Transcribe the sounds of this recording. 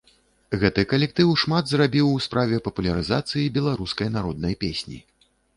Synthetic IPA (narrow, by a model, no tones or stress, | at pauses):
ɣɛt̪ɨkɐlʲɛk̚t̪ɨwʂmad̪zrabʲiwspɾʔavʲɛpɐpulʲɐɾɨzat̪sɨjibʲɛlˠaɾuskɐjnaɾɔd̪̚nɐjpʲesʲnʲḭ